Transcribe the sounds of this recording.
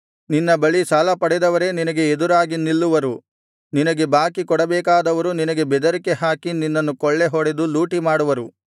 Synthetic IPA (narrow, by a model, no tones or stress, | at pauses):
ninːɐbɐɭisalɐpɐɽɛd̪ɐʋɐɾe̞ninɐɡe̞ːd̪uɾaːɡinilːuʋɐɾu | ninɐɡe̞baːkikɔɽɐbɛːkaːd̪ɐʋɐɾuninɐɡe̞bɛd̪ɐɾikeɦaːkininːɐnːukɔɭːe̞ɦɔɽed̪uluːʈimaːɽuʋɐɾu